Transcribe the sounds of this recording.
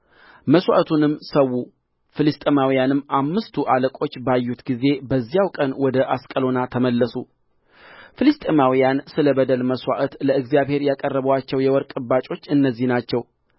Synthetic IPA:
məswa̰ʔt̪ʰunɨmsəwːu | fɨlɨst̪ʼemawijanɨmːʔamːɨst̪ʰuʔaləkʼo̞t͡ʃːbajːut̪ɡize̞bəzːijawkʼənwɔd̪əʔaskʼəlo̞nat̪ʰəməlːəsu | fɨlɨst̪ʼemawijansɨləbəd̪əlməswa̰ʔət̪ləɨɡzijaβhe̞ɾjakʼərːəβəwat͡ʃːɛwjɛwɔɾkʼɨbːat͡ʃʼo̞t͡ʃːɨnːəzːihnat͡ʃːɛw

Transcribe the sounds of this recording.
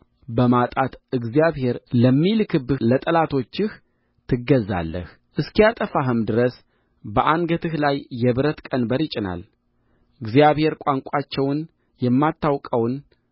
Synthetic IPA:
bəmat̪ʼat̪ʔɨɡzijaβhe̞ɾləmːilkʰɨbɨlət̪ʼəlat̪ʰo̞t͡ʃːɪh | t̪ʰɨɡːəzːa̰lːə̰h | ʔɨskijat̪ʼəfaɦɨmd̪ɨɾəs | bəʔanɡət̪ʰɨhlajːɛβɨɾət̪kʼənbəɾjɪt͡ʃʼɪna̰l | ɨɡzijaβhe̞ɾkʷʼaŋkʷʼat͡ʃːɛwn | jɛmːat̪ʰːawkʼəwn

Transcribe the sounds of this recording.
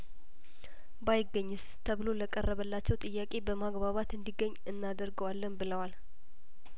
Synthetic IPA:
bajɪɡːəɲːɨst̪ʰəβɨlo̞ləkʼərːəβəlːat͡ʃːɛwt̪ʼɨjːakʼe̞bəmaɡbaβat̪ɨnd̪iɡːəɲːɨnːad̪əɾɡəwalːənbɨləwal

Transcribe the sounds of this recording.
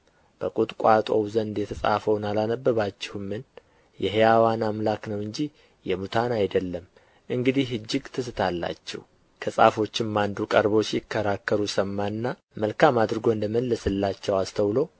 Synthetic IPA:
b̥əkʼut̪ʼkʷʼat̪ʼo̞̰wzənd̪jɛt̪ʰəsʼa̰fəwnalanəbːəβat͡ʃːɛhumːɨn | jɛɦejawanamlaknəwɨɲd͡ʒi | jɛmut̪ʰanajd̪əlːəm | ʔɨŋɡɨd̪ihhɨd͡ʒːɪɡt̪ʰɨsɨt̪ʰalːa̰t͡ʃːɛ̰h | kʰəsʼafo̞t͡ʃːɪmːand̪ukʼəɾbo̞sijɪkʰːəɾakːəɾusəmːanːa | məlkʰamad̪ɾɨɡo̞nd̪əməlːəsɨlːat͡ʃːɛwast̪ʰəwlo̞

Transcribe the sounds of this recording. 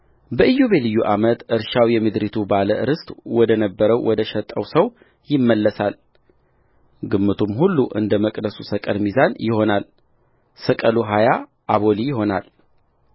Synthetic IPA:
bəʔɨjːoβelɨjːuʔamət̪ʔɨɾʃawjɛmɨd̪ɾit̪ʰubaləʔɨɾɨst̪ʼwɔd̪ənəbːəɾəwwʔɔd̪əʃɛt̪ʼːəwsəw | jɪmːəlːəsal | ɡɨmːɨt̪ʰumhulːuʔɨ̰nd̪əməkʼd̪əsusəkʼəlmizanjɪho̞nal | səkʼəluɦaja | ʔaβo̞lijɪɦo̞nal

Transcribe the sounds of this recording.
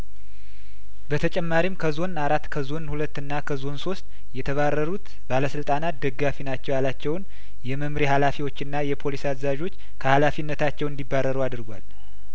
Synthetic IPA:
bət̪ʰət͡ʃʼɛmːaɾimkʰəzo̞naɾat̪ːkʰəzo̞nhulət̪ːɨnːakʰəzo̞nso̞st̪ʼ | jɛt̪ʰəβarːəɾut̪ | baləsɨlt̪ʼanat̪̚d̪əɡafinat͡ʃːɛwjalat͡ʃːɛwn | jɛməmɾihalafiwo̞t͡ʃːɨnːajɛpʰo̞lisazzaʒo̞t͡ʃː | kʰəhalafinːət̪ʰat͡ʃːɛwɨnd̪ibːarːəɾuad̪ɾɡʷa̰l

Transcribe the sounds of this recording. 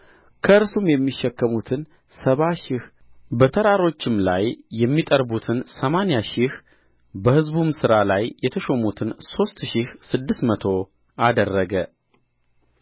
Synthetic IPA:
kʰəɨɾsumjɛmːiʃːɛkːəmut̪ʰɨn | səβaʃɪh | bət̪ʰəɾaɾo̞t͡ʃːɪmla̰jːɛmːit̪ʼəɾbut̪ʰɨnsəmanjaʃɪh | bəhɨzbumsɨɾalajjɛt̪ʰəʃomut̪ʰɨnso̞st̪ʃɪhsɨd̪ːɨsmət̪ʰo̞ | ad̪ərːəɡə

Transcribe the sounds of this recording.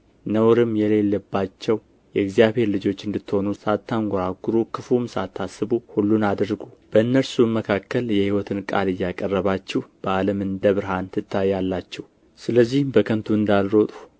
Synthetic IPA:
nəwɾɨmjɛle̞lːəbːat͡ʃːɛw | jɛɪɡzijaβhe̞ɾlɨd͡ʒo̞t͡ʃːɨnd̪ɨt̪ːho̞nusat̪ʰːaŋɡʷoɾaɡɨɾukʰɨfumsa̰t̪ʰːasɨbuhulːunad̪ɾɡub̥əɨnːəlsuməkʰakːəljɛhiwɔt̪ʰɨnkʼa̰lɨjːakʼərːəβat͡ʃːɛhb̥əaləmɨnd̪əβɨɾhant̪ʰɨt̪ʰːajjalːat͡ʃːɛw | sɨləzːihmbəkʰənt̪ʰuɨnd̪alɾot̪ʼu̥

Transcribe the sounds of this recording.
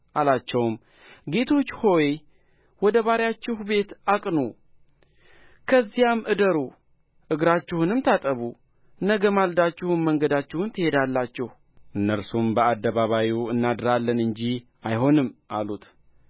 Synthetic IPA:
ʔalat͡ʃːɛwm | ɡe̞t̪ʰo̞t͡ʃːho̞j | wɔd̪əβaɾjat͡ʃːɪhbe̞t̪akʼnu | kʰəzːijamʔɨd̪əɾu | ʔɨɡɾat͡ʃːɪhunɨmt̪ʰat̪ʼəβu | nəɡəmald̪at͡ʃːɪhunməŋɡəd̪at͡ʃːɪhunt̪ʰɨhe̞d̪alːat͡ʃːɪh | ʔɨnːəɾsumbəad̪ːəβaβajuɨnːad̪ɨɾalːənɨɲd͡ʒi | ajɦo̞nɨmːʔa̰lut̪

